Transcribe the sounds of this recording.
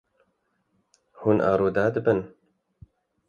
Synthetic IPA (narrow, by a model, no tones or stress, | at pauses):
huːnʔa̰ːɾoːd̪aːd̪ɨbɨn